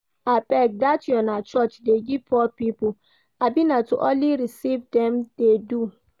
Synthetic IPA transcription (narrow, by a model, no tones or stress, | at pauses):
apɛk̚datjɔnat͡ʃɔt͡ʃdeɡipʰɔpipo | abinatuʔɔliɾisivdɛm̩d̥edu